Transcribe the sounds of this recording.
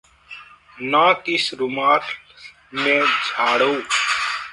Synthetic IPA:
nãːkɪsɾʊmaːtʰ | mẽːd͡ʒʱaːɽoː

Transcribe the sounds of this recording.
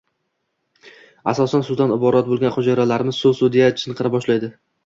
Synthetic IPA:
asɒsansʊd̪anɪbɒɾat̪̚bolɡʲanqod͡ʒaɾalaɾɪmɪz̥solsud̪ijat͡ʃʰɨnqʰɨɾabɒʃlajd̪ɪ

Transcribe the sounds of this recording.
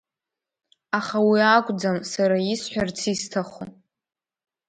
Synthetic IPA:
aχawiakʷʼd͡zamsaɾaisħʷᶣart͡sʰistʰaχʷo̰

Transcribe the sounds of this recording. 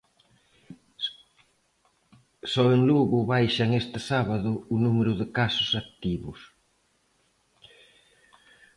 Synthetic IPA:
sɔeŋluɣʊβajʃaŋest̪ɪsaβaðʊːnumeɾʊðɪkasʊsak̚t̪iβʊs

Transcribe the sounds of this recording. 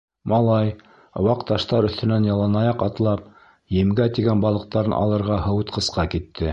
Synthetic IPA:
mɑlˠɑj̆ | wɑqt̪ɑʃt̪ɑɾɵ̆θt̪ɘ̆nænjɑlˠɑnɑjɑqɑt̪lˠɑp̚ | jɘ̆mɡæt̪iɡænbɑlˠɤ̆q̚t̪ɑɾɤnʔɑ̰lˠɤ̆ɾʁɑhɤ̆wɤt̪qɤ̆sqɑkit̪ːɘ

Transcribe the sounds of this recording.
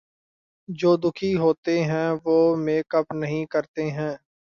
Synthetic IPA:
d͡ʒoːd̪ʊkʰiːɦoːt̪eːɦɛ̃ːʋoːmeːkəpnəɦĩːkəɾt̪eːɦɛ̃ː

